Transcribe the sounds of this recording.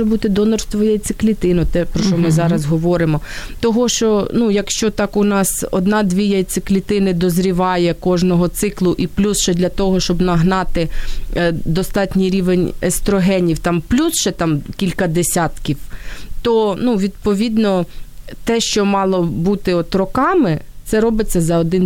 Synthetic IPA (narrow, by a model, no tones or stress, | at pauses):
ɛbut̪ɪd̪ɔnɔrst̪ʋɔjɐjt̪sɪ̥klʲit̪ɪnʊt̪ɛpɾɔʃt͡ʃɔmɪzɑɾɐzɦɔʋɔɾɪmɔ | t̪ɔɦɔʃt͡ʃɔnujɐkʃt͡ʃɔt̪ɑkʊnɑsɔ̰d̪nɑd̪ʲʋʲijɐjt̪sɪklʲit̪ɪnɪd̪ɔzɾʲiʋɑjɛkɔʒnɔɦɔt̪sɪklˠʊʔiplʲusʃɛd̪lʲɐt̪ɔɦɔʃt͡ʃɔbnɐɦnɑt̪ɪ | d̪ɔst̪ɑtʲnʲijɾʲiʋenʲɛst̪ɾɔɦɛnʲiwt̪ɑmplʲusʃɛt̪ɑmkʲilʲkɐd̪esʲat̪kʲiwt̪ɔnuʋʲid̪pɔʋʲid̪nɔt̪ɛʃt͡ʃɔmɑlˠɔbut̪ɪɔt̪ɾɔkɑmɪ | t̪sɛɾɔbɪt͡sʲːɐzɐɔd̪ɪn